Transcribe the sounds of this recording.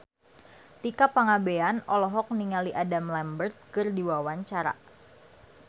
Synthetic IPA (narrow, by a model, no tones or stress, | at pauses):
t̪ikapaŋabeanɔlɔɦɔk̚niŋaliʔadamlɛmbərt̪̚kɨrdiwawaɲt͡ʃaɾa̰